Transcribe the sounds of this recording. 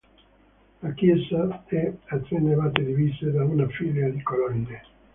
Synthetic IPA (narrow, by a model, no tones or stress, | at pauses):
lakjɛsaɛat̪ːenːevat̪̬ed̪ivised̪aunafiljad̪ikolɔnd̪e